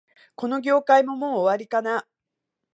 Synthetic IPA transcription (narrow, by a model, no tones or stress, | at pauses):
ko̞no̞ɡʲo̞ːkaimo̞mo̞ːβaɾʲikana